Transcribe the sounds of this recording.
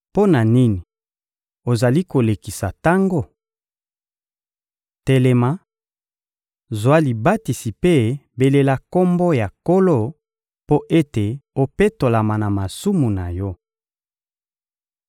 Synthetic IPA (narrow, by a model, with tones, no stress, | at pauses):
po˦na˨ni˦ni˨ | o˨za˨li˦ko˨le˨ki˨sa˨ta˦ŋɡo˦˨ | te˨le˨ma˦ | zwa˦li˨ba˦ti˨si˨pe˦be˨le˦la˦ko˦mbo˦ja˨ko˦lo˦ | po˦ʔe˦te˨o˨pe˦to˨la˨ma˨na˨ma˨su˦mu˨na˨jɔ˦